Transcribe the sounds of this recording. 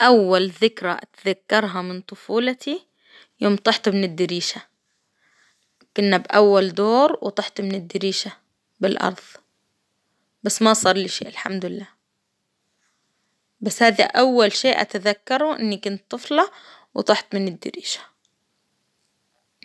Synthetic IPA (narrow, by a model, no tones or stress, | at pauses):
ʔawːalðɪkɾaʔa̰t̪ðakːɑɾˤɦamɪnt̪ˤʊfuːlt̪ʰi | joːmt̪ˤɑħt̪ˤmɪnɪd̪ːɪɾiːʃa | kʊnːabʔawːald̪oːɾwt̪ˤɑħt̪ˤmɪnɪd̪ːɪɾiːʃa | bɪlʔɑ̰ɾˤðˤ | basːmasˤɑːɾˤliʃḛːʔɪlħamd̪ʊɪlːaː | basːhaːðḭʔawːalʃeːʔa̰t̪aðakːɑɾˤuʔɪ̰nːikʊnt̪ˤːɨflɑwt̪ˤɑħt̪mɪnɪd̪ːɪ̰ɾḭːʃḁ